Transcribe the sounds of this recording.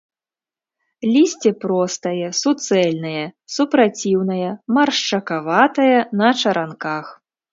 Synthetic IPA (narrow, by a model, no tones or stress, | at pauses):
lʲisʲt͡sʲɛpɾɔst̪ɐjɐsut̪sɛlʲnɐjɐsupɾat͡sʲiwnɐjɐmɐrʂt͡ʂɐkavat̪ɐjɐnɐt͡ʂɐɾʔankax